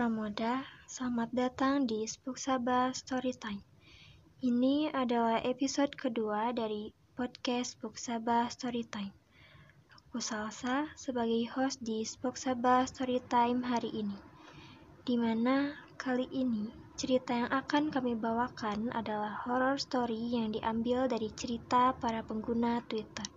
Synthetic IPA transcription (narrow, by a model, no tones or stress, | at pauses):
amodasamat̪̚dat̪aŋdispuk̚sabast̪ɔɾit̪ajm | iniadalahepisɔdkəduadaɾi | pɔd̚kɛspuk̚sabast̪ɔɾit̪ajm | kusalsasəbaɡajhɔsdispɔksabast̪ɔɾit̪ajmɦaɾiʔini | d̥imanakʰaliʔːnit͡ʃəɾit̪ajaŋʔakankamibawakanʔa̰dalahhɔɾɔrst̪oɾijaŋdiʔambildaɾit͡ʃəɾit̪apaɾapəŋɡunat̪wit̪ər